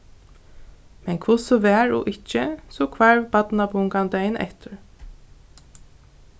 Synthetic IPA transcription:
mɛnkʰvʊsɔʋɛːɹɔ̰ʔɪt͡ʃːəsɔkʰvaɹbat̪nabʊŋkand̪ɛjnɛ̰ht̪ʊɹ

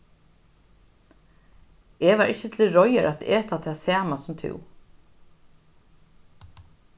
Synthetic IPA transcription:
ɛvaɾʔɪt͡ɕːɪt̪ʰɪlɾɔjəɾʔat̪eːt̪at̪ʰaːsaːmasʊmt̪ʰɪ̰w

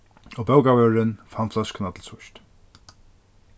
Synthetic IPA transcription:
obɛwkawœːɾɪnfant̪flasknat̪ʰɪlsʊʃt̪

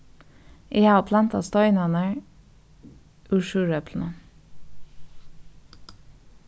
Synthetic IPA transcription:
ʔeːhɑːpʰlɑnt̪ɑ̰st̪ɔʏnɑnəɹ | ʔʉːʃʉːɹœpʰln̩ə

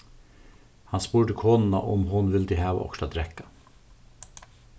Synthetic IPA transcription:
hɑnspuːɖəkʰoːnn̩ɑ̰ʔʊmhʊnʋɪld̪iːhæːʋ̰ʔɔ̰kʃɑd̪ɾɛkɑ̥

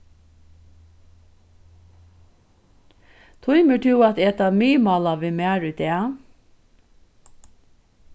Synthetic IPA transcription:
t̪ʰʊʏməʈʰʉːɑt̪ɛt̪ɑmyːmɑlɑʋɪmæːɹʉt̪eː

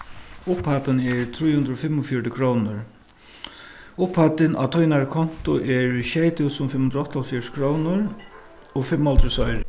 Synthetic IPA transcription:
ʊphat̪ənɛɹt̪ʰɾujhʉnd̪ɾɔfɪmːʊfjɔɹʈɪkʰɾownʊɹ | ʊphat̪ɪnʔa̰t̪ʰɔjnaɹkʰɔn̥t̪ʊʔɛɹʃejt̪ʰɪwsʊmfɪmhʊnd̪ɾɔht̪ʰːalfjɔskʰɾownʊɾ | ɔfɪmːalt̪ɾʊsɔjɾ

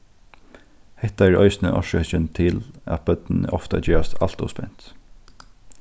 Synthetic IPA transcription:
hɛt̪aæɹœʏsnəʔɔ̰ʃœht͡ʃənt̪ʰɪlæ̰t̪̚bœd̪nn̩əʔɔft̪a̰d͡ʒeːɹast̪al̥t̪ɔ̰spɛ̰n̥t̪

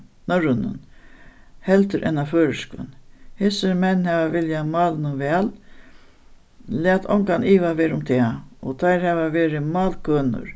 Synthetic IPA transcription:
nœɾənə̰n | hɛlt̪əɾʔɛ̰nːaføːɾɪskə̰nhɪsɪɾmɛnːhɛːʋaʋɪljamɑːlɪnʊʋɛːl | lɪæːt̪ʰɔ̰ŋkaniːʋaʋeːɾɪʊmt̪ʰɛaɔt̪ʰajɾhɛvaʋeːɾɪmɑːlkʰøːnʊ̰ɾ

